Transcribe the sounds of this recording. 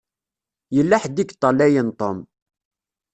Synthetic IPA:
jəlːaħd̪ikt̪ˤːɑlːæjənt̪ˤom

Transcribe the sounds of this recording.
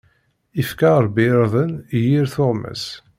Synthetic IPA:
ifkaɾˤbɪɾəðˤənjiɾθoʁmæ̰s

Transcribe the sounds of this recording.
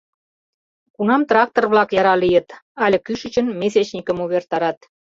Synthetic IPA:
kunɑmt̪rɑk̚t̪orβlɑkjɑɾɑlijə̆t̪ɑlʲə̆kyʃət͡ɕənmeset͡ɕnʲikə̆muβert̪ɑɾɑt̪

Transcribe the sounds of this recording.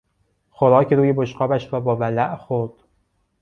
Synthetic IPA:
xoɾɒːcʰeɾuːjeboʃqɒːbæʃɾɒːbɒːvælæʔxoɾd̪̥

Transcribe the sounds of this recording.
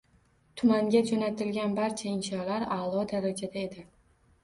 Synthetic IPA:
t̪ʰʊmaŋɡʲad͡ʒonat̪ʰɪlɡʲanbaɾt͡ʃʰaɪnʃɒlaɾalˠɒd̪aɾad͡ʒad̪ae̞d̪ɪ

